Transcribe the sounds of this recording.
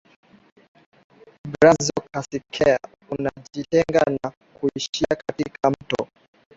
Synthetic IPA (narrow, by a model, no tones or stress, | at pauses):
bɾazɔkʰasikʰɛa | unaʄitɛŋɡana | kuiʃiakatikʰam̩tɔ̰